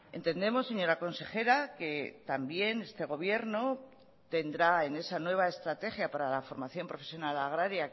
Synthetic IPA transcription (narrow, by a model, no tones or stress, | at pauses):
e̞nt̪e̞nd̪e̞mo̞sːe̞ɲo̞ɾako̞nse̞xe̞ɾake̞t̪ambje̞ne̞st̪e̞ɣ̞o̞β̞je̞ɾno̞ | t̪e̞nd̪ɾae̞ne̞sanwe̞β̞ae̞st̪ɾat̪e̞xjapaɾalafo̞ɾmaθjo̞mpɾo̞fe̞sjonalaɣ̞ɾaɾja